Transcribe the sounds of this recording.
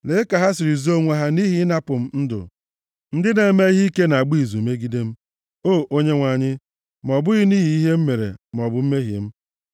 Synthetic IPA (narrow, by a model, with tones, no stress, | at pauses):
le˦ka˨ɦa˦s̬ɪ˨ɾi˨zo˦˨ŋʷa˨ɦa˦ni˦ɦi˦na˦pʊ˨m̩˦n̩˦dʊ̰˨ | n̩˦dɪ˦ne˨˦me˦i˦ɦi˦i˦ke˦na˨a˨ɡ͡bi˦i˨zu˨me˦ɡi˦de˦m̩˦ | o˦˨ʔo˦ɲe˦ŋʷa˨ɲɪ˦ | m˨ɔ˨bʊ˦ɣɪ˦niː˦ɦi˦i˦ɦe˦m̩˦me˨ɾḛ˨m˨ɔ˨bʊ˦m̩˦me˦ɦjḛ˨m̩˦